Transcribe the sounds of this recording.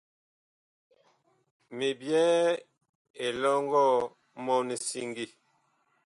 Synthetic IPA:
mi˨bjɛː˦ | e˨lɔ˦ŋɡɔ˦ | mɔ˦ni˨si˦ŋɡi˦

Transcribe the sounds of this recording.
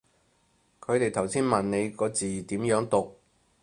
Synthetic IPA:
kʰɵ˨˧ɥt̪e˨jt̪ʰɐ˨˩wsiː˥nmɐ˨nne˨˧jkɔː˨˧t͡siː˨˩t̪iː˨˥mjœː˨˥ŋt̪ʊ˨k̚

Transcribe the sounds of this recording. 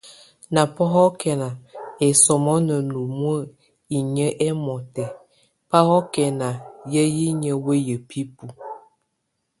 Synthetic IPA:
na˨pɔ˦ɦɔ˦kɛ˨na˨ɛ˨sɔ˨mɔ˦nə˨nu˨mwə˦˨ | i˨ɲə˦ʔɛ˦mɔ˨tɛ˨ | pa˦hɔ˦kɛ˨na˨jə˦ji˦ɲə˦we˦jə˨pʰi˦pu˨

